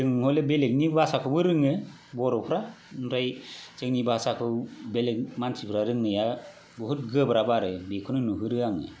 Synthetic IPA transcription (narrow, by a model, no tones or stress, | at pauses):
ɾɯŋhɔlebelek̚nibasakʰɯbɯɾɯŋɯ | bɔɾɔpʰɾa | nɾajt͡ʃek̚nibasakʰɯwbelek̚mansʰipʰɾaɾɯŋnɯja | bɔɦut̚ɡɯbɾabaɾɯbikʰɯnɯnuɦɯɾɯaŋɯ̰